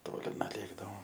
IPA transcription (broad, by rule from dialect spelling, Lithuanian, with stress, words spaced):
ˈtoːlʲɪ nʊˈlʲeːɡdɐʋoːm